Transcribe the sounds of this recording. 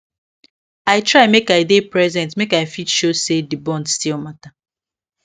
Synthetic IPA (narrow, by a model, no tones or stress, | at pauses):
aɪtɹaɪmekaɪdepɹɛzɛ̃ntmekaɪfitʃosedibɔ̃ndstilˠmata